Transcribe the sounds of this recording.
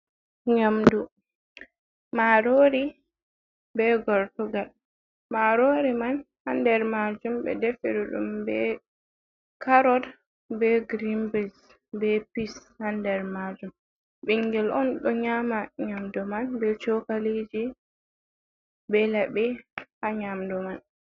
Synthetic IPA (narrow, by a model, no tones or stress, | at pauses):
ɲamdu | maɾoɾi | bɛɡɔɾtɔɡal | maɾoɾiman | handɛɾmad͡ʒumbɛ̰dɛfɛɾuɗṵmbɛ | kaɾɔd | bɛɡɾimbis | bɛpishandɛɾmad͡ʒum | ɓɛŋɡɛlʔɔnɗɔɲamaɲamdɔmanbɛt͡ʃɔkalid͡ʒi | bɛlabɛhaɲamdɔman